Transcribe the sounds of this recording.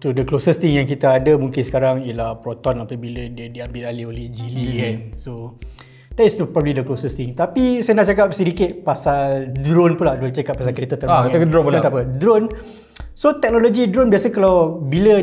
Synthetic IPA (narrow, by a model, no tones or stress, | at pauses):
t̪udəklosəst̪iŋjaŋkit̪aadəmuŋkɪnsə̥kaɾaŋiəlahpɾot̪ɔnapəbilədədiambɪlaliolehd͡ʒilianso | d̥ɛt̪supɾɔbəlidəklosəst̪ɪŋt̪apisajənaʔt͡ʃakap̚səɾikɪt̪̚pasaldɾonpulahdɾont͡ʃakap̚ːas̬alkɾet̪at̪əɾaat̪apədɾon | sot̪ɛk̚nolod͡ʒidɾonbiasəkalawbilə